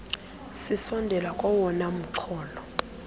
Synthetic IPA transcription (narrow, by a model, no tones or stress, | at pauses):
sisɔndʱɛlakʼɔwɔnam̩ǀʰɔːlɔ